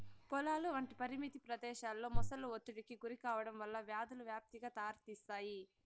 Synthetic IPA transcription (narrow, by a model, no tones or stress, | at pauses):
pɔlaːluʋɐɳʈipɐɾimit̪ipɾɐd̪ɛːʃaːlːo̞ːmɔsɐlːuot̪ːuɽikiɡuɾikaːʋɐɽɐmʋɐlːɐʋjaːd̪ɐluʋjaːp̚t̪iɡaːt̪aːɾt̪iːst̪aːji